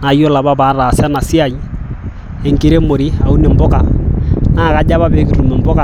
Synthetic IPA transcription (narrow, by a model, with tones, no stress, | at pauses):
na˨jɔ˦la˨βa˦ba˦ɾa˨sa˦na˨si˦a˨ji˦ | e˨ŋɡi˦ɾe˦mo˨ɾi˦a˨u˦ne˨mbɔ˦ka˨na˦˨ka˨˦d͡ʒa˦βa˦be˨˦ki˨ɾu˨mɛ˨mbɔ˦ka˨